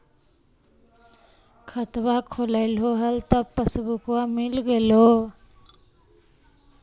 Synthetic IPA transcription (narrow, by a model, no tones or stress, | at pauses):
kʰət̪wakʰolaɪlɦoɦəlt̪əpəsbukwamɪlɡəlo